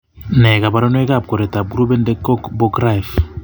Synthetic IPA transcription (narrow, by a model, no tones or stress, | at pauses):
neɡabaɾonoeɡap̚koɾet̪ab̚ɡɾubendekokbokɾajf